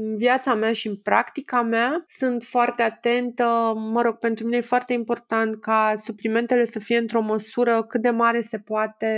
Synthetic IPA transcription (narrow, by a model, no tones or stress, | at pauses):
ɨnvjat̪sameaʃiɨnpɾʔa̰kt̪ikameasunt̪foart̪e̞at̪e̞nt̪əməɾo̞ɡ̥̚pe̞nt̪ɾuminejefoart̪e̞impo̞rt̪ant̪̚kasuplime̞nt̪e̞le̞səfije̞ɨnt̪ɾo̞məsuɾəkɨt̪̚d̪e̞maɾe̞se̞poat̪e̞